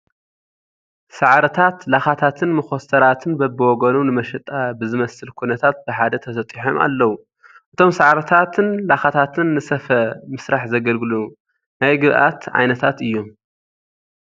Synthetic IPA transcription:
saʕɾɐt̪ʰat̪laxat̪ʰat̪ʰɨnmɨxo̞st̪ʰɐɾat̪ʰɨnbɐbːɨwɔɡɐnunɨmɐʃɛt̪ʼabɨzɨmɐsɨlkʰunɐt̪ʰat̪̚bɨħad̪ɐt̪ʰɐsɐt̪ʼiħomʔa̰lːɐwu | ʔɨt̪ʰo̞msaʕɾɐt̪ʰat̪ʰɨnlaxat̪ʰat̪ʰɨnːɨsɐfɐmɨsɾaħzɐɡɐlɡɨluu | najɡɨβʔa̰t̪ʕa̰jnɐt̪ʰat̪ɨjːom

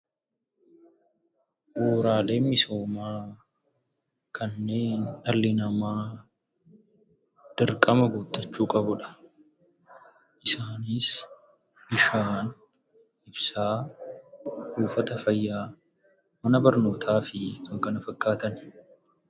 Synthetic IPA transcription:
ʔuːɾaːle̞ːnmɪso̞ːmaː | kʰɐnːe̞ːnᶑɐlːɪnɐmaː | d̪̥ɐɾkʼɐmɐɡut̪ːɐt͡ʃːuːkʼɐbʊᶑɐ̥ | ʔɪsaːniːs | bɪʃaːn | ʔɪbsaː | huːfɐt̪ɐfɐjːaː | mɐnɐbɐɾno̞ːt̪ʰaːfɪkʰɐŋkɐnɐfɐkːaːt̪ɐn

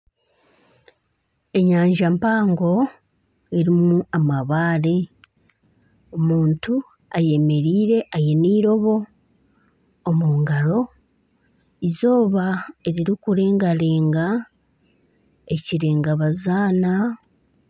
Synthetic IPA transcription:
e̞ɲaːɲʒampaːŋɡo̞ | e̞ɾimuamaβaːɾe̞ | o̞muːntu | aje̞me̞ɾiːɾe̞ʔaje̞niːɾo̞βo̞ | muːŋɡaɾo̞ | izo̞ːβae̞ɾiɾikuɾe̞ːŋɡaɾe̞ːŋɡa | eciɾe̞ːŋɡaβazaːna

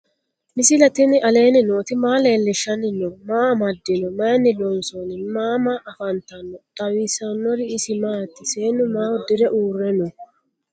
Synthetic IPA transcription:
mɪsɪlɐt̪ɪnɪɐle̞ːnɪnoːt̪ɪmaːle̞ːlːɛʃːɐnːɪnɔmaːmɐd̪ːɪnɔmɐːnːɪlɔnsɔnɪmaːmaːʔɐfɐnt̪ɐnːɔt̪ʼɐwiːsɐnːɔɾɪːsɪmaːt̪ːɪseːnːʊmaːwɔd̪ɪɾɛʔuːrːɛnɔ

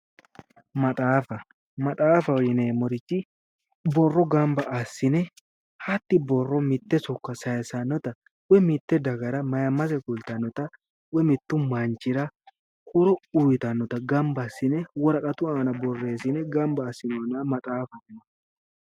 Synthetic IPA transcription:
mɐt̪ʼaːfɐ | mɐt̪ʼaːfɐwjɪneːmɔɾɪt͡ʃːɪ | bɔrːɔɡɐmbɐʔɐsːɪnɛ | hɐt̪ːɪbɔrːɔmɪt̪ːɛsɔkːɐsɐjɐsɐnːɔt̪ɐ | wɛmɪt̪ːɛd̪ɐɡɐɾɐmɐjɐmɐs̬ɛkʊlt̪ɐnːɔt̪ɐ | wɛmɪt̪ːʊmɐnt͡ʃɪɾɐ | kʊɾɔʊjɪt̪ɐnːɔt̪ɐɡɐmbɐsːɪnɛwɔɾɐkʼɐt̪ʊaːnɐbɔrːe̞ːsɪnɛɡɐmbɐːsːɪnoːnɐmɐt̪ʼaːfɐɛnɔ

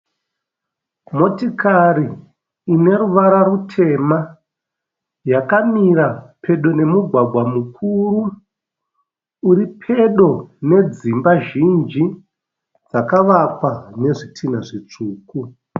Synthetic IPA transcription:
mo̞tikaɾiː | ne̞ɾuʋaɾaɾutʰe̞ma | jakamiɾapʰe̞ɗo̞ne̞muɡʱwaɡʱwamukʰuɾu | ɾipʰe̞ɗo̞ne̞d͡zimbaʒind͡ʒi | d͡zakaʋakwane̞ʐitʰinaʐit͡ʂuːku

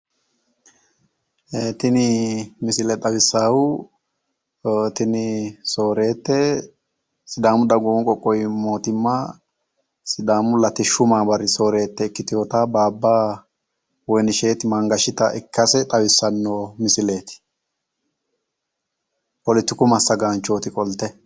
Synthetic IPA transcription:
eːt̪ɪnɪmɪsɪlɛt̪ʼɐwɪsːaːwʊ | t̪ɪnɪso̞ːɾe̞ːt̪ːɛ | sɪd̪aːmʊd̪ɐɡuwŋkʼɔkʼːɔjmo̞ːt̪ɪmːɐ | sɪd̪aːmʊlɐt̪ːɪʃʊmaːbɐɾːɪso̞ːɾe̞ːt̪ːɛɪkːɪt̪ɪjoːt̪abaːbːaː | wɔjnɪʃe̞ːt̪ɪmɐŋɡɐʃɪt̪ɐ̰ʔɪ̰kːɐsɛt̪ʼɐwɪsːɐnːomɪsɪle̞ːt̪ɪ̥ | ʔɔlɪt̪ːɪkʊmɐsːɐɡaːnt͡ʃːo̞ːt̪ɪkʼɔlt̪ːɛ

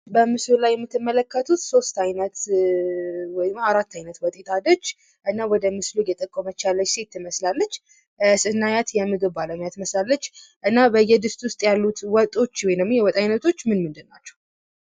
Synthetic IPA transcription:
bəmɨslulajːɛmːɨt̪ʰːɨmːələkːət̪ʰut̪so̞st̪ajnət̪ | wɔjmaɾat̪ːajnət̪wɔt̪ʼet̪ʰad̪ət͡ʃː | ʔɨnːawɔd̪əmɨslujɛt̪ʼəkʼːomət͡ʃalːət͡ʃːse̞t̪ʰːɨməslalːət͡ʃː | sɨnːajat̪jɛmːɨɡɨaləɲjat̪ɨməslalːət͡ʃːʔɨnːabəjːɛd̪ɨst̪ʼwʊst̪ʼjalːut̪wɔt̪ʼo̞t͡ʃːwɔjnəmjɛwɔt̪ʼajnət̪ʰo̞t͡ʃːmɨnmɨnd̪ɨnːat͡ʃːɛ̥

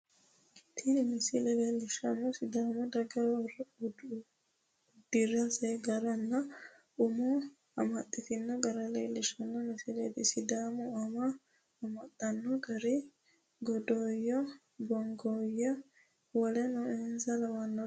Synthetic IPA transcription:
t̪ʰɪnɪmɪsɪlɛleːlɪʃɐnːɔsɪd̪aːmɔd̪ɐɡɐr | d̪̥ɪrɐsɛɡɐɾɐnːɐ | ʊmu | ɐ̰mɐt̪ʼːɪt̪ɪnːɔɡɐɾɐleːlɪʃɐnːɔmɪsɪlet̪ɪsɪd̪aːmɔɐmɐ | ɐmɐt̪ʼːɐnːɔɡɐɾɪ | ɡɔd̪oːjɔ | bɔŋɡoːjːɔ | wɐlɛnɔɛnzɐlɐwɐnːɔ

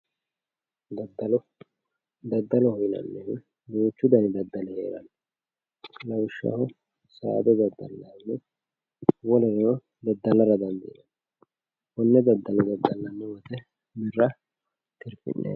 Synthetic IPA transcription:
d̪d̪ɐl | d̪ɐd̪ːɐlɔhɔjnɐ̰nːɛwɪn | d̪uːt͡ʃːʊd̪ɐnɪd̪ɐd̪ːɐlɛhḛːɾɐ̰nː | lɐwʃːɐ̰hɔ | sa̰ːd̪ɔd̪ɐd̪ːɐ̰lːɐnːɛ | wɔlɛɾɛnɔ | d̪ɐd̪ːɐlːɐɾɐd̪ɐnd̪ḭnɐ | bɔnːɛd̪ɐd̪ːɐlɔd̪ɐd̪ːɐlːɐnːɛwɐt̪ɛ | mɪrːɐ | t̪ɪɾfɪ̰nːḛː

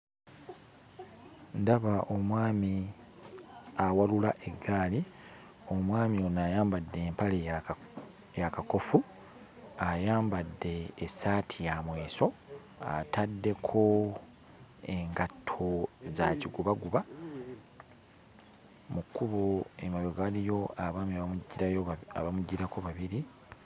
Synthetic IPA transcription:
ndaβaʔomwaːmi | awalulaʔe̞ɡːaːli | o̞mwaːmio̞naːjaːmbadːe̞ːmpale | jakako̞fu | ajaːmbadːe̞ːsaːtʰijamwe̞ːso̞ | a̰tadːe̞kʰo̞ | eŋɡatʰːo̞zaciɡuβaɡuβa | mukuβoemajoɡalijo̞aβaːmiaβɟiɾajoa̰βamuɟːiɾako̞βaβiɾi

